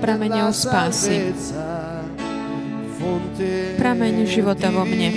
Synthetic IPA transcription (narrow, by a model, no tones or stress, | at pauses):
pɾamɛɲɔʊspaːsi | pɾamɛɲʒiʋɔt̪aʋɔmɲɛ